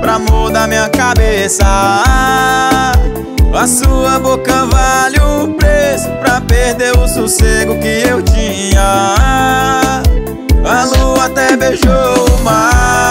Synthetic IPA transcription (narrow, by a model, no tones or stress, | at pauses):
pɾamod̪ɐmĩɲɐkabesɐa | ɐsuɐbokɐvaʎupɾezʊpɾɐpeɾd̪eɾʊsuseɡʊkɪewt͡ʃĩ | ɲɐ | ɐluat̪ɛbeʒoʊma